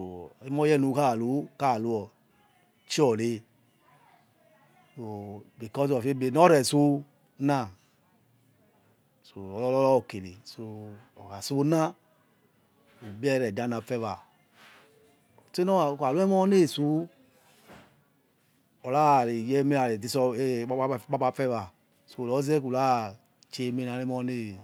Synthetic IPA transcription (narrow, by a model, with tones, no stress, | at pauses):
so˨ɛ˦mɔ˦jɛ˦nu˨˧ka˦˨lu˨˦ka˦˨lu˧ɔ˨ | t͡ʃi˦ɔ˨le˧ | so˧bi˨kɔ˦sɔ˨fe˦be˧˨nɔ˦ɾɛ˨su˧˦ | na˦˨ | so˨ɔ˨lɔ˦lɔ˦lɔ˦ɔ˧˨ke˨li˨so˧ɔ˨ka˨su˦na˦ | u˨bi˦ɛ˦˨ɾɛ˨da˦na˨fɛ˦˧va˨ | te˦nɔ˦˨ka˨lu˦ɛ˦mɔ˦ne˦˨su˦ | ɔ˨la˦˨ɾe˨jɛ˦me˦a˨ɾe˨di˨˦sɔ˧e˦k͡pa˦k͡pa˧fɛ˦va˨ | so˨˧˨lɔ˨˦zɛ˦ku˨la˦ | t͡ʃe˧˦me˧na˨˧le˦mɔ˧˦ne˦